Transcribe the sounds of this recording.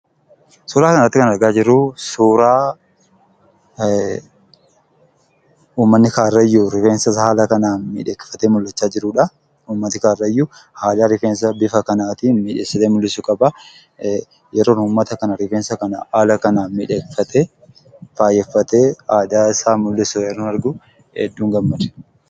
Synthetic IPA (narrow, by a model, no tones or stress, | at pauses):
suːɾaːkɐnɐt̪ːɪkɐnɐɾɡaːd͡ʒɪɾːʊsuːɾaː | uːmːɐnːɪkaːrːɐjːuɾɪfeːnsɐhaːlɐkɐnaːnmɪ̰ᶑeːkːɪ̥fɐt̪eːmʊlːɐt͡ʃːaːd͡ʒɪɾʊːᶑɐ | uːmːɐt̪ɪkaːrːɐɪjːu | haːdaːɾɪfeːns̬ɐbɪfɐkɐnaːt̪iːmɪᶑeːsɐt̪eːmʊlːɪsʊkʼɐbɐ | jɛɾoːnuːmːɐt̪ɐkɐnɐɾɪfeːnsɐkɐna̰ʔaːlɐkɐnaːnmɪᶑeːkfɐt̪ʰe | faːjɛfːɐt̪eːaːd̪aːɪsaːmʊlːɪsʊjɛɾoːnɐɾɡʊ | hɛ̰d̪ːuːŋɡɐmːɐᶑ̪ɛ̥